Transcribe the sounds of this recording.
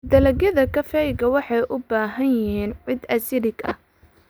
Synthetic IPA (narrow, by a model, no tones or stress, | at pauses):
d̪ɐlɐɣjɐðɐkʰɐfɛjɡɐwɑħɑjʔʊbaːɦɐnjɪɦiːnʕɪd̪ɐsɪɾɪɡɐ̰h